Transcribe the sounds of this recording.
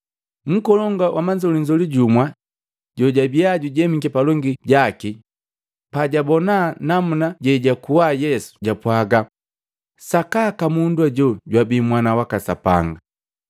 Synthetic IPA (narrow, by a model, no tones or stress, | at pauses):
m̩kɔlɔŋɡawamaɲd͡ʒɔliɲd͡ʒɔliɟumwa | ɟɔɟabiaɟuɟɛmikɛpalɔŋɡiɟaki | paɟabɔnanamunaɟɛɟakuwajɛsu̥ɟapwaɡa | sakakamunduaɟɔɟwabimwanawakasa̰pa̰ŋɡa